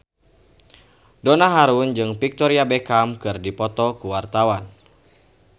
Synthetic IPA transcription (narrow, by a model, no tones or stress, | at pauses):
donaɦaɾund͡ʒɨŋpik̚t̪ɔɾiabekamkɨrdipɔt̪ɔkuwart̪awan